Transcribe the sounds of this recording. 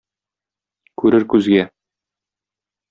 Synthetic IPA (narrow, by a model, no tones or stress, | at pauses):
kʉɾɘɾkʉzɡæ